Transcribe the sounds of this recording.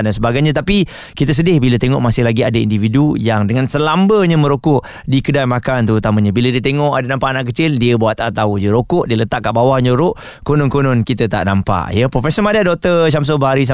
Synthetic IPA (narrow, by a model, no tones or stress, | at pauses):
dansəbaɡajɲat̪̬api | kit̪əs̬ədɪhbilət̪eŋɔʔmasɪhlaɡiadaḭndividujaŋdəŋansəlambəɲamə̃ɾokʊʔ | dikədajmakant̪uut̪amãɲabilədiət̪eŋɔʔadanãmpaʔanaʔk̬ət͡ʃɪldiəbaaʔt̪aʔt̪audiəɾokʊʔdiələt̪aʔkːaʔbawahɲoɾʊʔ | konɔnkonɔnkit̪ət̪a̰ʔnampa̰ʔjəpɾofɛsəmadadɔk̚t̪əʃ̬ams̬obəɦaɾis̬a